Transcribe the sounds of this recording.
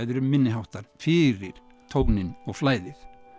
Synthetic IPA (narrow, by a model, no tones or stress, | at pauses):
jðʏɾʏmmːɪnːɪɦawht̪aɾ̥fɪɾɪɾ̥ | t̪ʰowknɪnɔɣflaːjðɪθ